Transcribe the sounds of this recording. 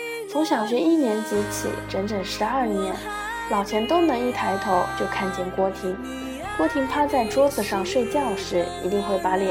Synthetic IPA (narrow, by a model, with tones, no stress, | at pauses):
t͡sʰʊ˧˥ŋɕjɑ˨˩ʊɕ̬ɥɛ˧˥i˥˩njɛ˧˥nt͡ɕi˧˥t͡ɕʰḭ˨˩ʈ͡ʂə˧˥nʈ͡ʂə˨˩ŋʂɻ̩˧˥ɐ˥˩njɛ˧˥n | lɑ˨˩ʊt͡ɕʰjɛ˧˥nt̪o˥ʊnɤ˧˥ŋi˥˩t̪ʰa˧˥ɪt̪ʰo˧˥ʊt͡ɕjo˥˧ʊkʰa˥˧nt͡ɕjɛ˥˩nkwɔ˥t̪ʰi˧˥ŋ | kwɔ˥t̪ʰi˧˥ŋpʰa˥t͡sa˥˩ɪʈ͡ʂwɔ˥t͡sɹ̩˨˩ʂɑ˥˧ŋʂwe˥˧ɪt͡ɕjɑ˥˩ʊʂɻ̩˧˥ḭ˧˥t̪i˥˧ŋxwe˥˩ɪpa˧˥lɛ˨˩